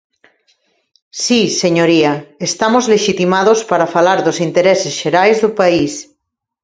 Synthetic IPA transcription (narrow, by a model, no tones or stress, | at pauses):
siseɲoɾiaest̪amozleʃit̪imað̞ospaɾafalaɾðosint̪eɾesesʃeɾajzðupais